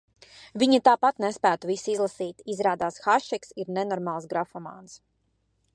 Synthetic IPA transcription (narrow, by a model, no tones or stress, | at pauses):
viɲat̪aːpat̪nɛspæːt̪uvisizlˠasiːt̪izɾaːd̪aːsxaʃɛksiɾnɛnɔɾmaːlˠsɡɾafɔma̰ːns